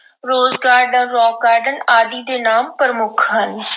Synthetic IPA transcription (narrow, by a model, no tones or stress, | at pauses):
ɾoːzɡaːɾɖənɾɔːkaːɾɖənaːd̪iːd̪eːnaːmpəɾəmʊkʰɦən